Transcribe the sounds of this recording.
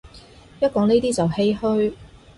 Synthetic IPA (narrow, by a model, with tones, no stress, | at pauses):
jɐ˥t̚kɔː˨˧˥ŋneː˥jt̪iː˥t͡sɐ˨whe˥jhɵ˥ɥ